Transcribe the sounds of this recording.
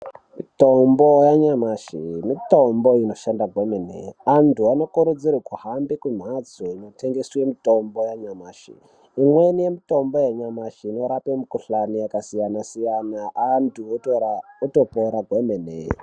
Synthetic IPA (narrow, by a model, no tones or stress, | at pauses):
mitombojaɲamaʃimito̞mboino̞ʃandaɡʱwemenḛantʰuano̞kuɾud͡zirikuhambikun̤ad͡zoino̞teŋɡeswe̞mito̞mbojaɲamaːʃḭ | imwenije̞mito̞mbo̞jeɲamaʃiːno̞ɾapemukuɬanijakasijanasijanaʔːntʰutoɾauto̞poɾaɡʱwemenḛ